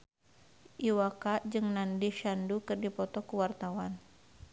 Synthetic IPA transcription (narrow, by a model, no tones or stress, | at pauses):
ʔiwakad͡ʒɨŋnandiʃandukɨrdipɔt̪ɔkuwart̪awan